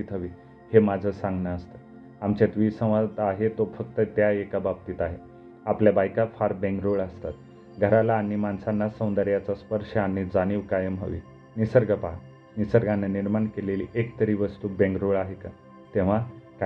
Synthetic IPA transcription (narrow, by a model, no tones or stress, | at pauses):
it̪ɦəʋiː | hemad͡zʱəsãŋɡnaəst̪ə | amt͡ɕat̪ʋiːsə̃ʋ̃ʋad̪t̪aɦet̪ofək̚t̪ət̪jaekabab̚t̪iːt̪aɦe | apljabajkafaɾbẽŋɡɾoɭəst̪at̪̚ | ɡʱəɾalaːnːimansanːasə̃w̃nd̪əɾjat͡saspəɾʂəanːid͡zañiːʋkajəmɦə̰ʋḭ | nisəɾɡəpak | nisəɾɡʱanːaniɾmaɳkeleliʔekt̪əɾiːʋəst̪uːbẽŋɡɾoɭaɦeka | t̪ẽʋ̤ak